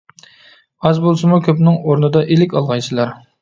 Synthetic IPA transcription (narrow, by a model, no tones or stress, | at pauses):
ɑzbolˠsɨmukʲʰøpnɪŋoɾnɨd̪ɑʔelɪkʲɑlˠʁɑjsʰɨlˠɑɾ